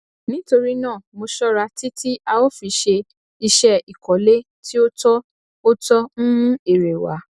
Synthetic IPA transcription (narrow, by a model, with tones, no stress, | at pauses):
nĩ˦to˧ɾi˦nãː˦˨mo˧ʃɔ˦ɾa˧ti˦tʰi˦ʔa˧wo˦fi˧ʃe˧ | i˧ʃɛ˧i˨kɔ˨˦le˦ | ti˦o˦tɔ˦ | o˦tɔ˦ñ̩˦e˦˨ɾe˨wa̰˨˦